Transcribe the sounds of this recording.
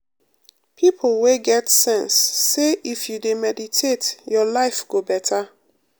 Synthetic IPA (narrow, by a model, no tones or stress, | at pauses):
pʰipʰl̩weɡɛtsɛ̃nsːeifjudemɛditʰetjɔlaɪfɡobɛtʰa